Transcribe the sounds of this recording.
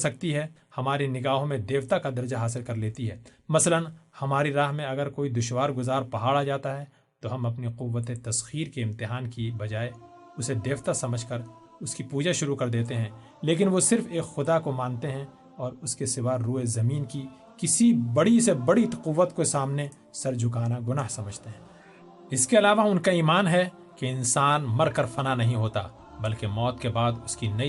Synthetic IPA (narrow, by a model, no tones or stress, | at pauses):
sɐk̚t̪iɦɛ | hɐmaːɾinɪɡaːɦõmẽd̪eːʋt̪akad̪ɐɾd͡ʒaɦaːs̬ɪlkɐɾleːt̪iɦɛːmɐslənhɐmaːɾiɾaːɦmẽɐɡəɾkoːid̪ʊʃwaːɾɡʊzaːɾpɐɦaːɽad͡ʒaːt̪aɦɛ | t̪oɦɐmɐpniqʊʋːət̪et̪ɐsxiːɾkeɪ̃mt̪ɪɦaːnkibɐd͡ʒaːe | ʊsed̪eːʋt̪asɐməd͡ʒʱkɐɾ | ʊskipuːd͡ʒaʃʊɾukɐɾd̪eːt̪eɦɛ̃ | leːk̬ɪnʋosɪɾfeːkxʊd̪akomãːnt̪eɦɛ̃ | ɔːɾʊskesɪʋaːɾːuːɦezɐmiːnki | kɪsibɐɽisebɐɽit̪qʊʋːət̪kosaːmne | sɐɾd͡ʒʱʊkaːnaɡʊnaːɦsɐməd͡ʒʱt̪eɦɛ̃ː | ɪskeɐlaːʋaʊnkaiːmaːnɦɛ | keɪ̃nsaːnmɐɾkəɾfɐnanɐɦĩɦoːt̪a̰ | bɐlkemɔːt̪kebaːd̪ʊskinɐi